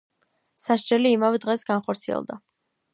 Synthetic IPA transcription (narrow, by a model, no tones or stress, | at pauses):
saʃd͡ʒɛliːmavɛd̪ʁɛsɡanχɔɾt̪sʰiɛ̰lˠd̪a